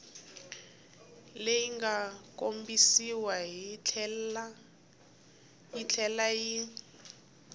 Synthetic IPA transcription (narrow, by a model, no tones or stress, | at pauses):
lejiŋɡakombisiwaɦi | jit͡ɬʰɛlaji